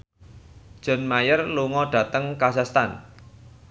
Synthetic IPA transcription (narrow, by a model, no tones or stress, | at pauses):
d̥ʒ̥ə̤nmajərluŋɔɖ̥ä̤t̪əŋkasast̪an